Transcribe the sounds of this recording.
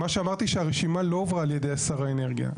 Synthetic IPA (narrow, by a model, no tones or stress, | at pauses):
maʃeamaʁt̪iʃeaʁeʃimalo̞ovʁaːlje̞d̪e̞jasaʁaene̞ʁɡija̰